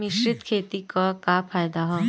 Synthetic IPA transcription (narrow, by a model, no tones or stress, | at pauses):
miɕɾit̪kʰet̪ikɔkapʰajd̪aɦɔ